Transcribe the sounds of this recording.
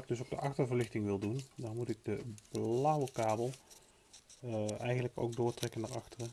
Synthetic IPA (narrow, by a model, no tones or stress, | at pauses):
ɪɡ̚dɵsowɡdəʔɑχtəɹvəɹlɪχtɪŋʋɪlˠdundɑnmutɪɡ̚dəb̥lawəkaːbəlˠ | ɛjχənləko̰wɡ̚dʊːɹtrɛkənaːɹɑχtərə